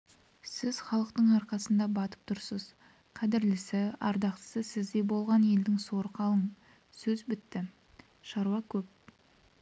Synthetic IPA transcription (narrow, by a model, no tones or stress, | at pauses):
sɪzχɑlˠəqt̪əɴɑɾqɑsənd̪ɑbɑt̪ə̥p̚t̪ʰʊɾsəz | qʰɑd̪ɪɾlɪsɪɑ̰ɾd̪ɑqt̪ə̥səsɪzd̪e̞bo̞lˠʁɑnje̞ld̪ɪŋso̞ɾəqʰɑlˠəɴ | sɵzbɪt̪ːɪ | ʃɑɾuɑkʲʰɵp̚